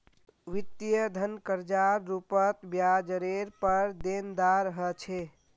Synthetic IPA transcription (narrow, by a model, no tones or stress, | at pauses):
ʋit̪jəd̪ʱənkəɾd͡ʒaɾːupət̪bjad͡ʒəɾeɾpəɾd̪end̪aɾəɦət͡ʃʰe